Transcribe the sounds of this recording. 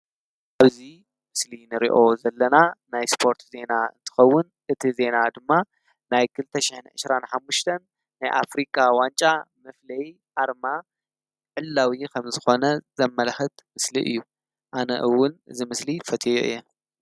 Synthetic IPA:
ʔaβzi | mɨslinɨɾḭʔo̞zɐlːɐnanajspʰo̞ɾt̪ze̞naɨ̰nt̪ʰɨ̥xɐwːʊnʔɨt̪ʰize̞nad̪ɨmːa | najkʰɨlɨt̪ʰɐʃiħɨnʕɨ̰sɾanħamːuʃt̪ʰɐnː | ajʔa̰fɾikʼawant͡ʃʼamɐflɐj | ʔaɾma | ʕɨlːawikʰɐmzɨxo̞nɐzɐmːɐlxɨt̪mɨsliʔɨ̰jːu | ʔanɐ̰ʔɨwːʊnɨ̰zimɨslifɐt̪ʰʼojoɨ̰jːɛ

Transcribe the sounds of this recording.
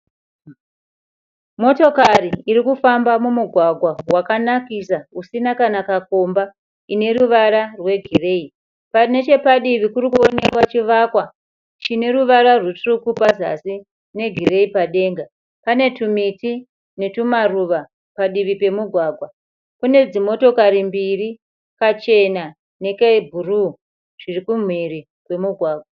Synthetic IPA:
mo̞to̞kariːɾikufambamumuɡʱwaɡʱwawakanakisausinakanakako̞mba | ine̞ɾuʋaɾarwe̞ɡʱire̞i | pane̞t͡ʃe̞paɗiʋikurikuone̞kwat͡ʃiʋakwa | t͡ʃine̞ruʋaɾarwutrukupaza̰si | ne̞ɡʱire̞ipaɗe̞ːŋɡa | pane̞tumiti | ne̞tumaruʋa | paɗiʋipe̞muɡʱwaːɡʱwa | kune̞d͡zimo̞to̞kaɾimbiri | kat͡ʃe̞na | ne̞kebʱuru | ʐ̥irikum̤wiɾi | kwe̞muɡʱwaːɡʱwa

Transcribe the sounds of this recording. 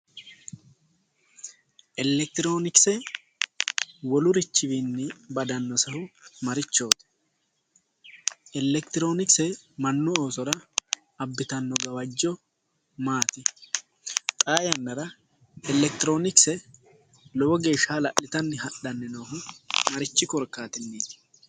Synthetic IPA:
ʔɛlːɛk̚t̪ɪɾo̞ːnɪksɛ | wɔlʊɾɪt͡ʃːɪbinːɪbɐd̪ɐnːɔsɐhʊmɐɾɪt͡ʃːo̞ːt̪ɛ̥ | ɛlːɛkt̪ɪɾo̞ːnɪksɛmɐnːʊo̞ːsɔɾɐː | bːɪt̪ɐnːɔɡɐwɐd͡ʒːɔ | maːt̪ɪ | t̪ʼaːjɐnːɐɾɐ | ɛlɛkt̪ɪɾo̞ːnɪksɛ | lɔwɔɡe̞ːʃːaːlɐʔɪt̪ɐnːɪɦɐᶑɐnːɛnoːɦʊmɐɾɪt͡ʃːɪkɔɾkːaːt̪ɪnːeːt̪

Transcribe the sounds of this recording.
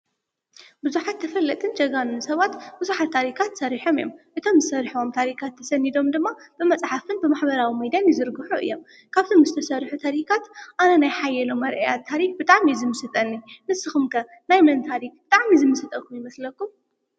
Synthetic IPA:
bɨzuħat̪ʰːɐfɐlːɐt̪ʼɨnd͡ʒɐɡanɨnsɐβat̪bɨzuħat̪ʰːaɾikʰat̪sɐɾiħo̞mɨjo̰mʔɨt̪ʰo̞mzɨsɐɾħomt̪ʰaɾikʰat̪ʰːɐsɐnːid̪o̞md̪ɨmːab̥ɨmɐt͡sʼħafɨnbɨmaħbɐɾawimɐd̪janjɛzɨɾɡɨħuʔɨ̰jːo̞m | kʰaβt̪ʰomzɨt̪ʰɐsɐɾħut̪ʰaɾikʰat̪ʔanɐnajħajːɛlomːɐɾʔḛjat̪ʰːaɾik̚bɨt̪ʼaʕmizɨmɨsɨt̪ʼɐnːinɨsːɨxumkʰɐ | najmɐnt̪ʰaɾik̚bɨt̪ʼaʕmizɨmɨsɨt̪ʼɐkʰːumjɪmɐslɐkːum

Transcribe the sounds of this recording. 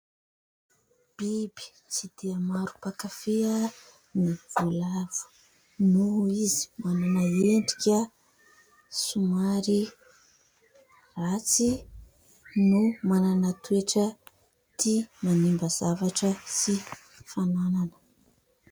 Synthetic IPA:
b̥ibi̥ | t͡sid̪̥eəmaɾu̥pakafeə | niv̥ulav̥u̥ | nuizi̥mananaeɳɖ͡ʐi̥kʲə | sumaɾi | rat͡si | numananat̪ueʈ͡ʂə | t̪imanimbəz̥avaʈ͡ʂəsi | fanananə̥

